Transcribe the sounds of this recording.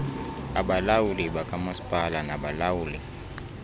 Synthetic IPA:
aɓalawuliɓakʼamasi̥pʼalanaɓalawuːli

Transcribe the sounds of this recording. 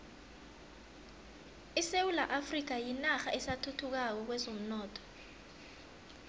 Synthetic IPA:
isewulaʔafrik̬ajinaxaʔɛsatʰutʰuk̬ak̬ɔk̬wɛzom̩nɔːtʰʼɔ̥

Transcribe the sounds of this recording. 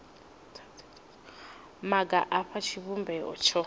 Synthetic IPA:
maɡaʔaɸʰat͡ʃʰiβumbɛɔ̰t͡ʃʰɔ

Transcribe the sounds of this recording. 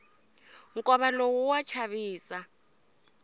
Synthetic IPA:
ŋ̩kʼɔβalowuwat͡ʃʰaβiːsa

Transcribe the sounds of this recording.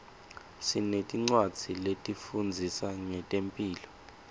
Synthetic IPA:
sinetʼiŋ͡ǀwad̥d͡z̥ʱiletʼifund͡zʱisaŋɛtʼempʼiːlɔ

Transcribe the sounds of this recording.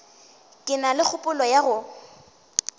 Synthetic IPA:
kʼɪnalɪk͡xʰʊpʼʊlɔjaɣʊ

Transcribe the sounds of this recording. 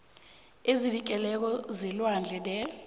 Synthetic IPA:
ezilik̬ʼɛlɛk̬ɔzilwand͡ɮʱɛdɛ

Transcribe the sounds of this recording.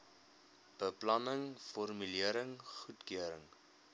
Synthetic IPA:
b̥əplɐnəŋfɔrmyliəɾəŋχutkiəɾəŋ

